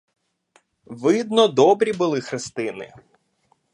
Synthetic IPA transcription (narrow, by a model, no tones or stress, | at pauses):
ʋɪd̪nɔd̪ɔbɾʲibʊlˠɪxɾɪst̪ɪnɪ̰